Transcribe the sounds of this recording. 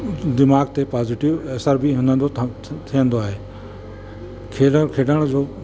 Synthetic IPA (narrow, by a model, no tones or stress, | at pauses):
d̪ɪmaːɡ̚t̪epaːzɪʈɪʋeːsəɾbʱiɦɪ̃nə̃nd̪ot̪ʰijə̃nd̪oaːɦeː | kʰeːɖəkʰeːɖəɽ̃d͡ʑoː